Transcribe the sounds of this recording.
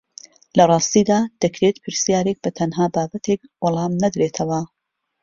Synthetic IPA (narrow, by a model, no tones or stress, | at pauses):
lɐrˤɑːst̪iːd̪aːd̪̥ɐkʰɾeːt̪pʰɨɾsijaːɾek̚bɐt̪ʰɐnɦaːbaːbɐt̪ʰekwɑlˠɑːmnɐd̪ɾet̪ʰɐwɐ